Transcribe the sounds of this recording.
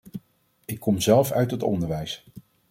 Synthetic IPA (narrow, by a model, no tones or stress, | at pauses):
ɪkːɔmzɛlˠfœ̰ɥtɦətɔ̰ndəɹʋɛjs